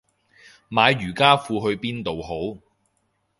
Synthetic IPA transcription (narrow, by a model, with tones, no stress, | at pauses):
maː˨˧jːyː˨˩kaː˥fuː˧ɦɵ˧ɥpiː˥nt̪o˨who˨˥w